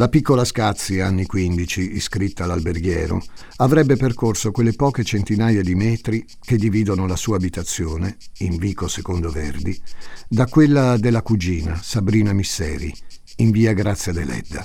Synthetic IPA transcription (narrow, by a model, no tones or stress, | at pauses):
lapikːolaskat̪sːianːikwind̪it͡ʃiːskɾit̪ːalalberɡjɛ̰ːɾo̰ | avɾɛbːeperkorsokwelːepɔːket͡ʃent̪inaːjad̪imɛːt̪ɾi | k̟ed̪ːiviːd̪onolasuːaːbit̪at̪sːjoːneiɱviːkosekond̪ovḛrd̪id̪akwelːad̪elːakud͡ʒiːnasabɾiːnamisːɛ̰ːɾḭ | iɱviːaɡɾat̪sːjad̪elɛ̰d̪ːa̰